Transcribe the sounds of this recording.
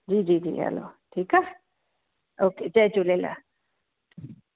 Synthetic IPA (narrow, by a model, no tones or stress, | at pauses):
d͡ʒiːd͡ʒiːd͡ʒḭa̰lo̰ʈʰiːka | oːked͡ʒad͡ʒuleːla̰